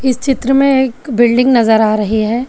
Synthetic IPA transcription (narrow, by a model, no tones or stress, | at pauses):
ɪst͡ʃɪt̪ɾəmẽeːkbɪlɖɪ̃ŋɡnɐzəɾaːɾɐɦiɦɛː